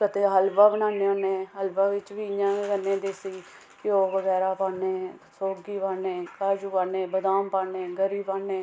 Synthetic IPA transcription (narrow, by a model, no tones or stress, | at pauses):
kət̪eːɦəlbaːbənaːneːõːnẽːɦəlbaːʋɪt͡ʃʋiːɪjãːɡənːẽːd̪eːsiː | kɪoːʋəɡɛːɾaːpaːnẽːsoːɡiːbaːnẽːkaːd͡ʒuːpaːnẽːbəd̪aːmpaːneːɡəɾiːbaːneː